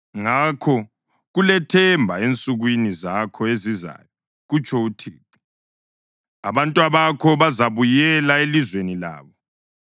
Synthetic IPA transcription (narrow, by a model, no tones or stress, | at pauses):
ŋakʰɔ | ɣulɛtʰɛmbʱaent͡sʼuɣwinizakʰɔeziza̰ːjɔ | ɣut͡ʃʰʼɔutʰiːtʰʼu̥ | a̰βantʼwaβakʰɔβazaβujɛlaelizwenila̰ːβɔ